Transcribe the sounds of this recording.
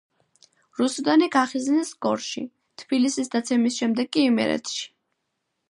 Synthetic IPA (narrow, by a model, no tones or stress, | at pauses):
ɾusud̪aniɡaχiznisɡɔɾʃḭ | t̪ʰb̥ilisisd̪at̪sʰɛmisʃɛmd̪ɛɡːiːmɛ̰ɾɛ̰t̪ʰʃi̥